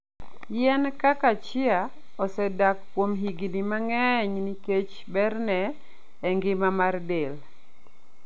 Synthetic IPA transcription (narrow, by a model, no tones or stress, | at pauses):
jɛnkakat͡ʃɪa | ɔsɛdakːwomɦiɡinimaŋɛɲniket͡ʃ | bɛrnɛː | ŋɡɪmamardel